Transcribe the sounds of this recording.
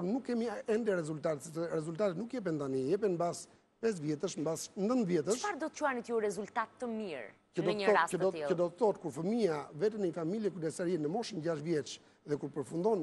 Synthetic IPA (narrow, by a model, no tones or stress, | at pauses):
ɾnukːɛmiɛnd̪ɛɾɛzult̪at̪ɛt̪sɛsɛɾɛzult̪at̪ɛt̪nukjɛp̬ɛnt̪anijɛpɛnbas | pɛs̬vjɛt̪əʃmbasnd̪ənðjɛt̪əʃfaɾd̪ɔt̪ə̥t͡ʃuanit̪juɾɛzult̪at̪ːəmiɾ | kənɔəɔcəd̪ɔt̪iləd̪ɔt̪əθɔt̪kuɾfəmiavɛt̪ənəɲəfamiljɛkuɾd̪ɛsaɾjɛnəmɔʃənɟaʃtvjɛt͡ʃ | ðɛkuɾpəɾfund̪ɔn